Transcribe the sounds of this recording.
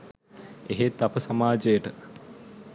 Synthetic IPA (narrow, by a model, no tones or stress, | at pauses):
eɦet̪ːapəsamaːd͡ʒejəʈə